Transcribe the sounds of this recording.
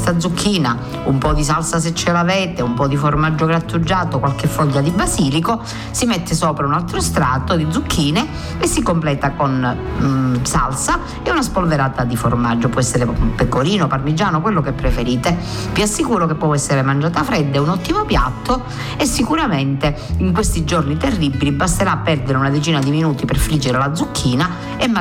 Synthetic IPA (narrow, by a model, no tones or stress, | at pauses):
st̪ad̪zukʰːiːna | umpɔd̪is̬alsas̬et͡ʃːɛlavɛːt̪eumpɔd̪iformad͡ʒːoɡɾat̪ːud͡ʒːaːt̪okwalkefːɔʎːad̪ibasiːliko | simet̪ʰːesɔːpɾaunalt̪ɾost̪ɾaːt̪od̪id̪zukʰːiːne | kesːikomplɛːt̪akon | sa̰lsa | eunaspolveɾaːt̪ad̪ifo̰rmad͡ʒːopɔɛsːeɾepekːoɾiːnoparmid͡ʒaːnokwelːokepːɾefeɾiːt̪e | viasːikuːɾokepːwɔɛsːeɾemand͡ʒaːt̪afɾɛd̪ːeunɔt̪ːimopja̰t̪ːo | esːikuɾament̪eiŋkwest̪id͡ʒornit̪erːibilibast̪eɾaːpːɛrd̪eɾeunad̪et͡ʃiːnad̪iminuːt̪iperfɾid͡ʒːeɾelad̪zukʰːiːna | e